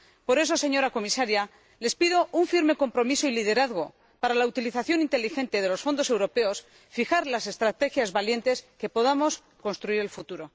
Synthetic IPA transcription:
po̞ɾe̞so̞se̞ɲo̞ɾako̞misaɾja | le̞spiðo̞uɱfiɾme̞ko̞mpɾo̞misoilið̞e̞ɾaðɣo̞ | paɾalaut̪iliθaθjo̞nint̪e̞lixe̞nt̪e̞ð̞e̞lo̞sfo̞nd̪ose̞wɾo̞pe̞o̞s | fixaɾlase̞st̪ɾat̪e̞xjazβalje̞nt̪e̞ske̞po̞ð̞amo̞s | ko̞nst̪ɾuiɾelfut̪uɾo̞

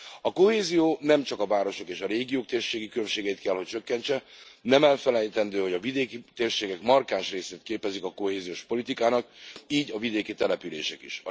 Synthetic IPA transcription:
ɒko̞heːzijoːnɛmt͡ʃɒkɒvaːɾo̞ʃo̞keːʃɒɾeːɡijoːk̚t̪eːrʃeːɡikylømʃeːɡɛjit̪̚kɛlho̞c̚t͡ʃø̞kːɛɲt͡ʃɛnɛmɛlfɛlɛjt̪ɛnd̪øːho̞ɟɒvid̪eːkit̪eːrʃeːɡɛkmɒrkaːnʃreːseːt̪̚keːpɛzikɒko̞heːzijoʃpo̞lit̪ikaːnɒkiːɟɒvid̪eːkit̪ɛlɛpylḛːʃɛkḭʃɒ̰

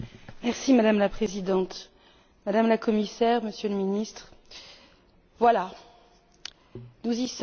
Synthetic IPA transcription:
mɛʁsimad̪amlapχezid̪ɑ̃t̪ | mad̪amlakɔmisɛʁməsjøləminist̪χ | vwala | nuzis

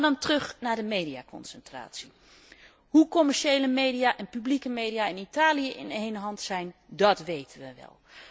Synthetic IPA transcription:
dɑntrɵxnaɹdəmeːdiakɔ̰nsəntra̰ːtsi | hukɔmɛɹʃejləmejdiaʔɛnpyblikəmeːdiaɪnitaːlijəʔɪ̰nɦejnəɦɑntsɛjndɔtʋejtʰənʋəʋɛ̰lˠ

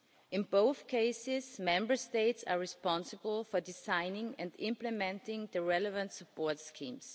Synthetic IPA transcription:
ʔɪ̃nboʊθkʰeɪsɪzmɛ̃mbə˞steɪtsaɹɪspɑ̃nsəbəl̩ˠfɔ˞dɪsãɪnɪ̃ŋɨ̃ndɪ̃mpləmɛ̃ntɪ̃ŋðəɹɛləvə̃ntsəpʰɔɹtskʰĩːms

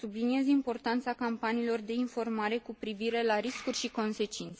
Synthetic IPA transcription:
sublinie̞zimpo̞rt̪ant̪sakampaniːlo̞rd̪e̞info̞rmaɾe̞kupɾiviɾe̞laɾiskurʲʃiko̞nse̞t͡ʃint̪se

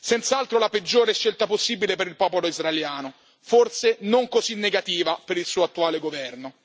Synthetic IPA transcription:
sɛnt̪saalt̪ɾolaped͡ʒːoːɾeʃːelt̪aposːiːbilepeɾilpɔːpoloizraeljaːno | forsenoŋkozinːeɡat̪iːvapeɾilsuːoat̪ːuaːleɡovɛrno

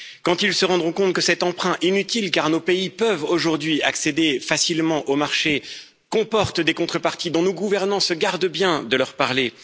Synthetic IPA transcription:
kɑ̃t̪ilsəʁɑ̃d̪ʁɔ̃kɔ̃t̪kəsɛt̪ɑ̃pχɛ̃ʔinyt̪ilkaʁnopeipœvoʒuʁd̪ɥia̰ksed̪efasilmɑ̃ʔomaʁʃe | kɔ̃pɔʁt̪d̪ekɔ̃t̪χəpaʁt̪id̪ɔ̃noɡuvɛʁnɑ̃səɡaʁd̪bjɛ̃d̪əlœʁpaʁle

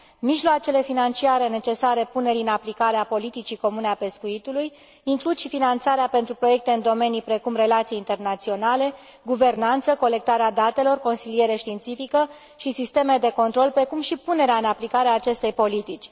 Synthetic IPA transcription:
miʒloat͡ʃe̞le̞finant͡ʃiaɾe̞ne̞t͡ʃe̞saɾe̞pune̞ɾʲiɨnaplikaɾeapo̞lit̪it͡ʃiko̞mune̞ape̞skuit̪uluj | iŋklud̪ʃifinant̪saɾeape̞nt̪ɾupɾo̞je̞k̚t̪e̞ɨnd̪o̞me̞nijpɾe̞kumre̞lat̪sijint̪e̞rnat̪sio̞nale̞ | ɡuve̞rnant̪səko̞le̞k̚t̪aɾead̪at̪e̞lo̞rko̞nsilije̞ɾeʃt̪iːnt̪sifikə | ʃisist̪e̞med̪e̞ko̞nt̪ɾo̞lpɾe̞kumʃipune̞ɾeaɨnaplikaɾeaːt͡ʃe̞st̪e̞jpo̞lit̪it͡ʃʲ

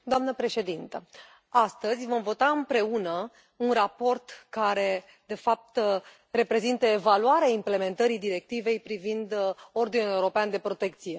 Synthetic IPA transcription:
d̪oamnəpɾe̞ʃe̞d̪int̪ə | ast̪əzʲvo̞mvo̞t̪aɨmpɾe̞unə | unrapo̞rt̪kaɾe̞ | d̪e̞fap̚t̪ | re̞pɾe̞zint̪əe̞valuaɾeaimple̞me̞nt̪əɾid̪iɾe̞k̚t̪ive̞jpɾivind̪o̞rd̪inule̞uɾo̞peand̪e̞pɾo̞t̪e̞kt̪sije̞

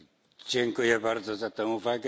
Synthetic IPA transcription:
d͡ʑɛŋkujɛbaɾd̪zɔzat̪ɛ̃w̃uvaɡɛ

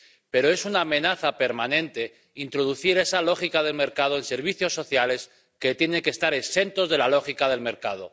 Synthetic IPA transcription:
pe̞ɾo̞e̞sunaːmẽ̞naθape̞ɾmanẽ̞nt̪e̞ | int̪ɾo̞ðuθiɾe̞salo̞xikað̞e̞lme̞ɾkað̞o̞ense̞ɾβ̞iθjo̞sːo̞θjale̞s | ke̞t̪je̞ne̞ŋke̞st̪aɾe̞se̞nt̪o̞zðe̞lalo̞xikað̞e̞lme̞ɾkað̞o̞̰

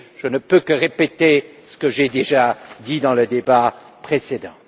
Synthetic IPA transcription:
ʒ̥ənəpøkəʁepet̪e | sə̥kəʒɛd̪eʒad̪id̪ɑ̃ləd̪eba | pχesed̪ɑ̰̃

